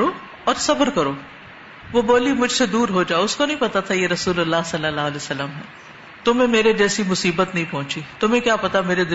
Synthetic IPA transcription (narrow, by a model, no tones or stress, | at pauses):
o | ɔːɾsɐbəɾkɐɾoː | ʋoboːlimʊd͡ʒʱsed̪uːɾɦod͡ʒaːʊskonɐɦĩpɐt̪at̪ʰajeɾɐsuːlɐlːaːɦsɐlːəlaːɐlesɐlːəmɦɛ̰ː | t̪ʊmẽmeːɾed͡ʒɛːsimʊsiːbət̪nɐɦĩpɔ̃ɦʊ̃t͡ʃit̪ʊmẽkjaːpɐt̪ameːɾed̪ɪ